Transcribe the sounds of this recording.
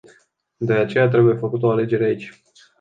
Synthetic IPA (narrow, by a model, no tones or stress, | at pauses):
d̪e̞at͡ʃe̞jat̪ɾe̞buje̞fəkut̪o̞ale̞d͡ʒe̞ɾeait͡ʃʲ